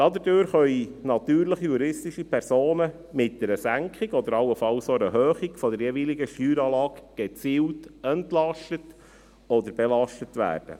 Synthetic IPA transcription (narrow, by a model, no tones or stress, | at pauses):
d̥ɑd̪ədøːɾχœinɑt̪yːɾləχijuɾɪstiʃipʰɛɾsoːnə | mɪt̚d̥ɛɾəsæŋkχiɡɔd̪əɾɑwəfɑwsoɾəɦøːχiɡfɔdəɾjɛviliɡəʃtyːɾɑːlɑːɡɡ̥ɛt͡siːwtɛntlɑʃtət | ɔd̪əɾb̥ɛlɑʃtətʋæ̰ːrd̥ə̰